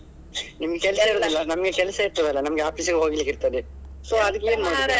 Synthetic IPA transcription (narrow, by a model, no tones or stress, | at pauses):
nimɐɡekɛlsɐiɾoːd̪ilːɐnɐmɐɡekɛlsɐiɾt̪ɐd̪ɐlːɐnɐmɐɡeaːpiːskeɦoːɡilːikːiɾt̪ɐd̪isoːɐd̪ɐkːeeːnmaːe